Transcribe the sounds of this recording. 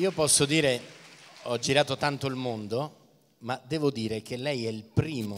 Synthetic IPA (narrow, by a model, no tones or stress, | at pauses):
iːopɔsːod̪iːɾe | ɔd͡ʒiɾaːt̪ot̪ant̪oilmond̪o | mad̪ɛːvod̪iːɾek̟elːɛjɛilpɾiːmo